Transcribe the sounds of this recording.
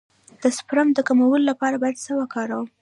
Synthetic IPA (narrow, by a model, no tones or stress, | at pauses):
d̪̥əspɾamd̪əkamawəlolapɑɾabɑjad̪səwakɑɾawəm